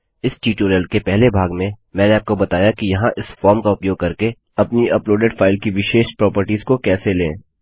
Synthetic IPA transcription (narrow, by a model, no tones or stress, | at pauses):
ɪsʈiːʈoːɾijəlkepɛɦlebʱaːɡmẽmɛ̃ːneaːp̚kobɐt̪aːjakijɐɦãʔɪsfɔːɾmkaʊpjoːɡ̚kɐɾke | ɐpniɐploːɖeɖfaːɪlkiʋɪʃeːʃpɾɔːpəɾʈiːzkokɛːselḛ̃ː